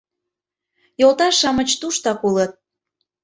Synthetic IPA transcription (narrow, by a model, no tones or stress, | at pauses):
jolˠt̪ɑʃɑmət͡ɕt̪uʃt̪ɑkulət̪̚